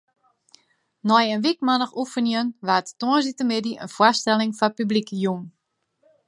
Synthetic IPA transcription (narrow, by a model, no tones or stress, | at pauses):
nɔjənʋikmanəxufənjənʋattoəsitəmɪdiʔə̰nfwastɛlɪŋfapyblikəjun